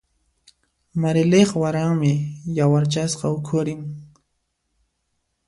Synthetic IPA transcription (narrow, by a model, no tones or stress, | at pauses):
maɾɪleχwaɾaŋmɪjawaɾt͡ʃasqɑʊkʰʊɾɪŋ